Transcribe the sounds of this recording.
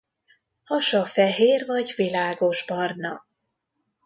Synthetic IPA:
hɒʃɒfɛɦeːrvɒɟvilaːɡo̞ʒbɒrnɒ

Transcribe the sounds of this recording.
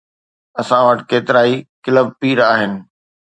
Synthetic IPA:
ɐsãʋəʈkeːt̪ɪɾaːikɪləb̚piːɾaːɦɪnɪ̆

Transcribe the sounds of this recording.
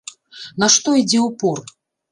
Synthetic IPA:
naʂt̪ɔid͡zʲɛupur

